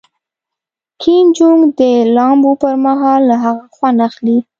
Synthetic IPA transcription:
kʰind͡ʒuŋd̪əlɑmbopəɾmaɦɑlːaɦaɣaxwanaxli

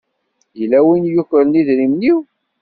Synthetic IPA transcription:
jəlːæwinjuçəɾniðɾimniw

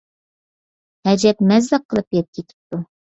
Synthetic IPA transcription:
hɛd͡ʒɛp̚mɛzlæqʰːəlˠɨp̚jɛt̪̚kʲʰet̪ʰɪ̥p̚t̪u

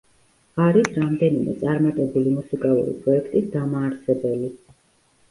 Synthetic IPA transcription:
aɾisɾamd̪ɛnimɛ̰t̪sʼaɾmat̪ʼɛbulimusikʼalˠṵɾḭpʼɾɔɛkʰt̪ʼid̪amaːɾsɛbɛli

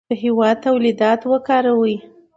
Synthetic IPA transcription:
əɦewɑd̪̚t̪ːawlid̪ɑt̪wəkɑɾawəj

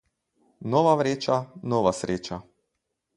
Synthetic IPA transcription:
nɔːʋaʋɾeːt͡ʃanɔːʋasɾeːt͡ʃa

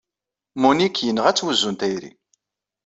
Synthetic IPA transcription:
munikjənːəʁæt͡sːwəzːunt̪æjɾḭ

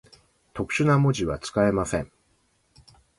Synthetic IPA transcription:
t̪o̞kɯ̟̥ɕɨnamo̞ʑiβat͡sɨ̥kae̞masẽ̞ŋ

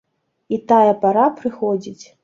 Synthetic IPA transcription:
it̪ajɐpaɾapɾɨxɔd͡zʲit͡sʲ

